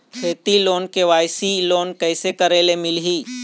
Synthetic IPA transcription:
kʰeːt̪iloːnkeʋaːjsiloːnkəɪsekəɾelemɪlɦiː

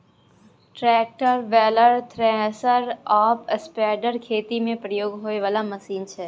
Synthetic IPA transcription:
ʈɾɛːk̚ʈəɾʋɛːləɾt̪ʰɾɛsəɾaːpəspɛːɖəɾkʰeːt̪imẽpɾəjoːɡɦoːeʋaːlamɐsiːnt͡ʃʰɛː

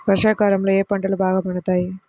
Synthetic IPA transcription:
ʋɐɾʂaːkaːɾɐmlɐjeːpɐɳɖɐlbʱaːɣɐpɐɳɐt̪ːaːji

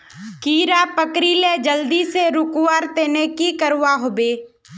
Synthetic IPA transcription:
kiːɾapəkɾiled͡ʒəld̪iseɾʊkʊwaːɾt̪eːnekikəɾwaɦoːbeː

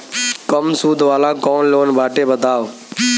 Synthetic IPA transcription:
kəmsuːd̪ʱʋaːlãːkɔːnloːnbʱaːʈeːbəd̪ʱaːʋ

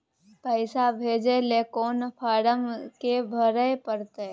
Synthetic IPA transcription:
pəɪsabʱeːd͡ʒelekoːnpʰaːɽəmkebʱəɾəjpəɾt̪e

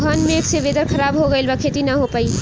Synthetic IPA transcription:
ɡʱaːnmẽːkseʋeːd̪əɾkʰɐɾaːbɦoɡɐelbɐkʰeːt̪inɐɦopaːi

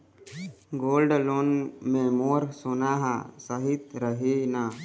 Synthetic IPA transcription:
ɡoːlɖloːnmẽmoːɾsonaːɦa̰səɦɪt̪ɾəɦena

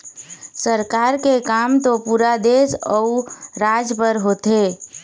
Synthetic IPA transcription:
səɾkaɾkekamt̪opuɾad̪esɔuɾad͡ʒpəɾɦoːt̪e

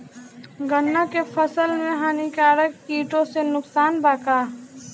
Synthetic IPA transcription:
ɡənːakefʰəsəlmẽɦaːnikaːɾəkːiːʈõsenʊksaːnbaːkaː

